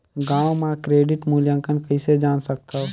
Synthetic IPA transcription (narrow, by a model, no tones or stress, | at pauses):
ɡãːʋmãːkɾeːɖɪʈmuːljãŋkənkəised͡ʒaːnsək̚t̪ʰo